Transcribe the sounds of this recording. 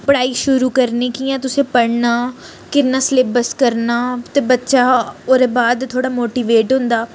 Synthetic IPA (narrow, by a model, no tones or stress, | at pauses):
pəɽaːiːʃʊɾuːkəɾneːkijãːt̪ʊsẽːpəɽnaː | kɪnːãːslebəskəɾnaːt̪eːbətːʃaːoɾeːbaːd̪t̪ʰoːɽaːmoːʈiːʋeːʈɦʊ̃nd̪aː